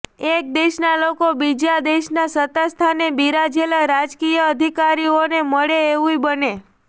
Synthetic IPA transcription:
ek̚d̪eʃnalokobid͡ʒad̪eʃnasət̪ast̪ʰanebiɾad͡ʒelaɾad͡ʒkijəəd̪ʱikaɾioneməɭeːʋũibəne

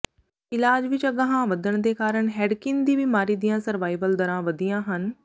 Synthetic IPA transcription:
ɪlaːd͡ʒʋɪt͡ʃɐɡəɦãʋɐd̪ʱəɽ̃d̪ekaːɾəɽ̃ɦɛːɖkɪ̃nd̪iːbimaːɾiːd̪ijãːsɐɾʋaːɪbəld̪ɐɾãʋɐd̪ʱijãːɦən

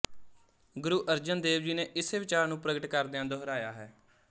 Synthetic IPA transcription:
ɡʊɾuːʔəɾd͡ʒənd̪eːʋd͡ʒiːneːʔɪseːʋɪt͡ʃaːɾnũːpɾəɡəʈkəɾd̪eãːd̪ʊɦɾaːjaːɦɛː

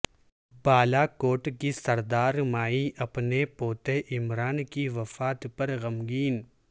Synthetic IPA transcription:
baːlakoːʈkisɐɾd̪aːɾmaːiʔɐpnepoːt̪eʔɪmɾaːnkiʋɐfaːt̪pɐɾɣɐmɡiːn

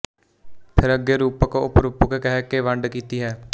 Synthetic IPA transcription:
pʰɪɾəɡːeːɾuːpəkʊ̰pɾuːpəkkɛɦɛːkeʋəɳɖkiːt̪iːɦɛː

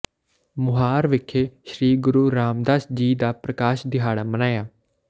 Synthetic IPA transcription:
mʊɦaːɾʋɪkʰːeːʃɾiːɡʊɾuːɾaːmd̪aːsd͡ʒiːd̪aːpɾəkaːʃd̪ɪɦaːɽaːmənaːjaː

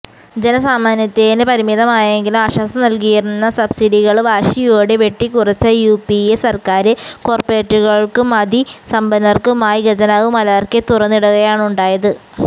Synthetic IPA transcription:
d͡ʑe̞nɐsaːmaːnjɐt̪ːenepɐɾimiðɐmaːjeŋɡilumaːɕaːsɐmnɐlkijiɾunːɐsɐbsiɽiɣɐɭʋaːʂijoːɽeʋe̞ʈːikurɐt͡ɕːɐjuːpiesɐrkaːɾɨko̞ːrpeːʈːuɣɐɭkɨmɐd̪isɐmbɐnɐrkɨmaːjiɡɐd͡ʑɐnaʋumɐlaːrket̪urɐnːiɽuɣɐjaːɳuɳɖaːjɐðɨ

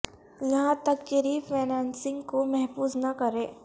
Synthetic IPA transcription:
jɐɦãt̪ɐkːeɾiːfʰeːnaːnsɪ̃ŋɡkomɛɦfuːznɐkɐɾẽː

